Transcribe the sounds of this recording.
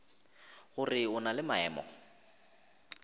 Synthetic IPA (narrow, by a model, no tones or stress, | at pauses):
ɣʊrɪʊnalɪmaɛːmɔ̰